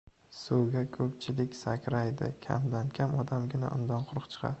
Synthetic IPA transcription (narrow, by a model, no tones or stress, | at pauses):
sowɡʲakʰɵp̚t͡ʃʰɪlɪkʲsakʲʰɾajd̪ɪ̰kʲʰa̰md̪ankʲʰamɒd̪amɡʲɪna̰ʔʊ̰nd̪ɒnqʰʊɾɨqt͡ʃʰɨ̥qʰɑ̰d̪